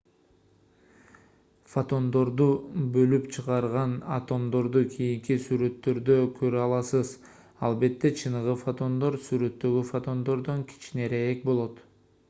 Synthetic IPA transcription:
fot̪o̞nd̪o̞ɾd̪ubø̞lypt͡ʃʰɯʁɑɾʁɑnɐ̰t̪o̞md̪o̞ɾd̪ukʰijiŋkisyɾø̞t̪ːø̞ɾd̪økʰø̞ɾyɑlˠɑsɯz | ɑlˠbe̞t̪ːe̞t͡ʃʰɯnɯʁɯfot̪o̞nd̪o̞ɾsyɾø̞t̪ːø̞ɡyfot̪o̞nd̪o̞ɾd̪oŋkʰi̥t͡ʃineɾee̞k̚bo̞lˠot̪

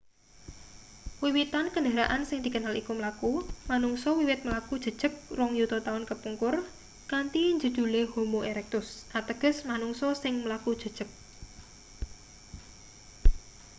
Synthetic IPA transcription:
wiwit̪ankəɳɖaɾaʔansɪŋd̪̥ikənalikuməlakumanuŋsɔwiwɪt̪̚məlakud̥ʒ̥ə̤d̥ʒ̥ək̚rʊŋjut̪ɔt̪aʊnkəpuŋkʊr | kant̪iɲd͡ʒud̪̥ṳlehomoeɾɛk̚t̪ʊsʔat̪əɡ̥ə̤smanʊŋsɔsɪŋməlakud̥ʒ̥ə̤d̥ʒ̥ək̚

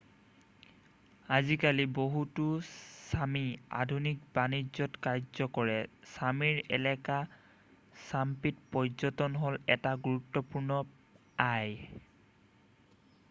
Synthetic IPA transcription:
azikaliboɦutusamia̰dʱunik̚banizɔtkaɹzɔkɔɹɛsamiɹɛ̰lɛka | sampit̚pɔjzɔtɔnɦolɛtaɡuɹutːɔpuɹnɔ | aj

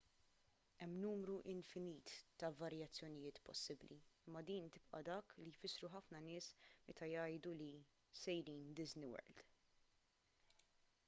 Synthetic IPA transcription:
ɛmːnuːmɾuʔɪnfɪniːt̪ːɐvɐɾjɐt͡sːjɔnɪjɪːt̪pɔ̰sːɪblḭɪmːɐd̪iːnt̪ɪpʔɐ̰d̪ɐːklijfɪsːɾuħɐfnɐnɪːsmɛt̪ɐjɐjd̪uli | sɛjɾiːnd̪ɪznɪwɛ̰ɾld̪̥

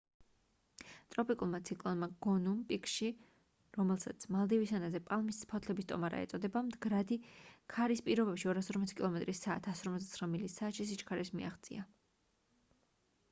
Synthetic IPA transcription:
t̪ʼɾɔpʼikʼulˠmat̪sʰikʼlˠɔnmaɡ̥ɔnumpʼikʼʃi | ɾɔmɛlˠsat̪sʰmalˠd̪ɛvisanazɛpʼalˠmispʰɔt̪ʰlɛbist̪ʼɔ̰maɾa̰ɛ̰t̪sʼɔd̪ɛbamd̪ɡɾad̪ikʰaɾispʼiɾɔbɛpʃiɔɾasɔɾmɔt̪sʰi̥kʼilˠɔmɛt̪ʼɾisaːt̪ʰasɔɾmɔt̪zd̪at̪ʰχɾamilisaːt̪ʃis̬it͡ʃkʰaɾismḭaχt̪sʼḭa

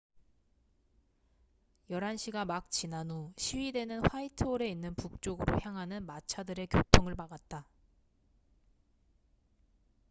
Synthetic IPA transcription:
jʌɾanɕʰiɡamak̚t͡ɕinanuɕʰiɥide̞nɯnɸwaitʰɯoɾe̞inːɯnpuk̚t͡ɕ͈oɡɯɾo̰çjaŋɦanɯnmat͡ɕʰadɯɾe̞kjotʰoŋɯɭmaɡat̚t͈a

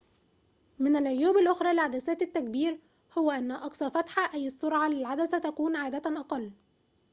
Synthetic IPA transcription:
mɪnɪlʕʊjːuːbɪlʔoxɾˤɑːlɪʕad̪æsæːt̪ɪt̪ːækbiːɾ | hʊwæʔænːæʔɑksˤɑɾˤfæt̪ħaʔæjːɪsˤːʊɾʕalɪlʕad̪æsæt̪ækuːnʕaːd̪æt̪ʔɑqɑlː

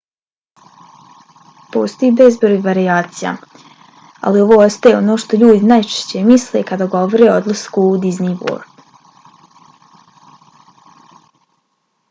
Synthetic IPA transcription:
post̪ojibezbɾojʋaɾiaːt̪sija̰ | a̰lio̞ʋoːost̪ajeo̞no̞ːʃt̪o̞ʎuːd̪inajt͡ʃe̥ʃt͡ɕe̞misle̞kad̪aɡo̞ʋoɾeo̞d̪lˠaskuːd̪iznibo̰ːɾb

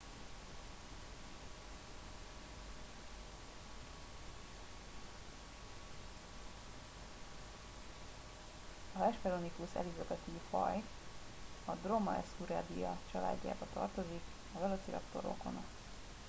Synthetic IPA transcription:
ɒvɛʃpɛɾonikusɛ̰lizoɡɛt̪ifɒj | ɒd̪romɒɛsuɾaːd̪ijɒt͡ʃɒla̰ːɟːa̰ːbɒt̪ɒ̰rt̪o̞zik | ɒvɛlot̪siɾɒ̰kt̪o̞ɾo̰kono

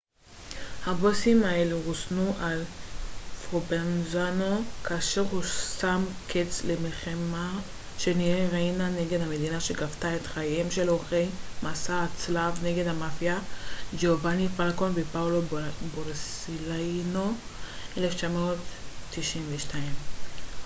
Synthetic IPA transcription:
habosimaeleʁusnuʔal | fʁobenzano̞kaːʃe̞ʁhusamkʰet͡slemelχema | ʃe̞nijeʁainaneɡe̞dhame̞d̪inaʃeɡaftaet̪χajemʃe̞loχejmasaːt͡slavne̞ɡe̞d̪hamafjad͡ʒovanifalkonbepaoloboʁsilano̞ | ʔeleft͡ʃamoot̪ːiʃimveʃtaim

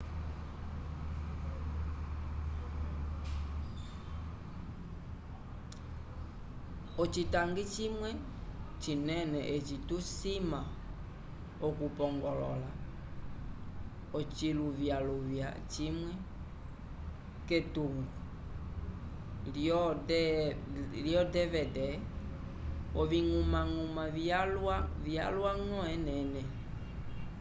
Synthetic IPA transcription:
ɔt͡ʃitaŋɡit͡ʃimwɛ | t͡ʃinɛnɛʔet͡ʃitusima | ɔkupɔŋɡɔlɔ̰la | ot͡ʃiluvjaluvja̰t͡ʃimwɛ | ketuŋu | liɔdɛ | liɔdɛvɛdɛ | oviŋumaŋumavialavia̰lwaŋɔ̃ɛnɛnɛ

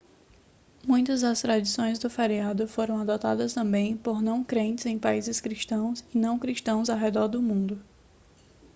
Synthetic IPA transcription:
mũj̃t̪ɐzd̪ɐst̪ɾad͡ʒisõj̃zd̪ʊfeɾiad̪ʊfoɾɐ̃w̃ad̪ɔt̪a̰d̪ɐst̪ɐ̃mbẽj̃poɾnɐ̃w̃kɾẽnt͡ʃ̪ɪzẽj̃paizɪskɾiʃt̪ɐ̃w̃sɪnɐ̃w̃kɾiʃt̪ɐ̃w̃zawɦɛd̪ɔɾd̪ʊmũnd̪ʊ

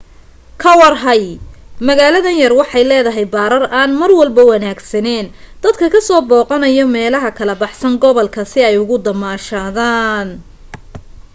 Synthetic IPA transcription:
kʰɐwɑrɦɐjmɐɣaːlɐðɐnjɐrwɑħɑjlɛːðɐɦɛjbaːɾɐrʔaːnmɐrwɐlbɐwɑnaːɡsɐnɛːn | d̪̥ɐd̪kʰɐkʰɐsɔːbɔːqɔnɐjɔmɛːlɐɦɐkʰɐlɐbɑħsɐŋɡɔβɔlkʰɐsɪɛjʊɣʊd̪ɐmaːʃaːðaːn

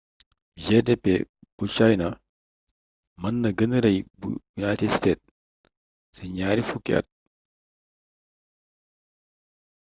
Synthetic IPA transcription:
d͡ʒɛdɛpːɛb̥ut͡ʃajnɐ | mɐnːɐɡɐnɐɾɐjbṵjunajtɛdsteːt̚ | sɛɲaːɾifukːḭʔɐ̰t̚

